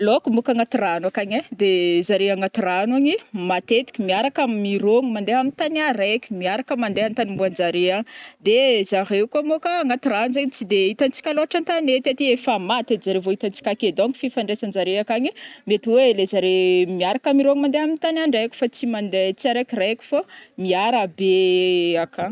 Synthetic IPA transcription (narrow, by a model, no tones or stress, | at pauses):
lokumokaŋat̪iranakaɲed̪ezaɾeaŋat̪iranaɲimat̪et̪i̥kʲimiaɾakamiɾoŋumand̪eamit̪anaɾekʲu̥miaɾakəmand̪eant̪animbuand͡ʒaɾeaŋd̪ezaɾewkamokaŋɡat̪iɾanuzaɲit͡sid̪eit̪ant͡si̥kʲaloaʈ͡ʂant̪anet̪iat̪iefamat̪ed̪zaɾevoit̪ant͡si̥kʲaked̪oŋki̥fifaɳɖ͡ʐesand͡ʒaɾeakaɲimet̪iwelezaɾemiaɾakamiɾoŋimand̪eamit̪anaɳɖ͡ʐajkʲu̥fat͡simand̪et͡siaɾekirekʲu̥famiaɾabeaka